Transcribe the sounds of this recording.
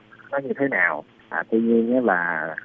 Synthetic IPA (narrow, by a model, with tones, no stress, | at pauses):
kɔ˨˦ɲɨ˧t̪ʰe˨˦naː˨˩w | ʔaː˨˩t̪wi˧ɲi˧əŋɛ˨˦˥laː˨˩˨